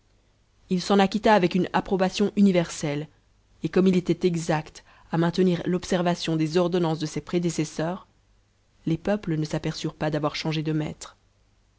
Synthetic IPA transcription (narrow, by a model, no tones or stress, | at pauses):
ilsɑ̃nakʲit̪aːvɛkyna̰pχɔbasjɔ̃ʔynivɛʁsɛl | ekɔmilet̪ɛt̪ɛɡzakt̪ | amɛ̃t̪əniʁlɔpsɛʁvasjɔ̃d̪ezɔʁd̪ɔnɑ̃sd̪əsɛpχed̪esɛsœːʁ | lepœplənəsapɛʁsyʁpad̪avwaʁʃɑ̃ʒed̪əmɛ̰t̪χ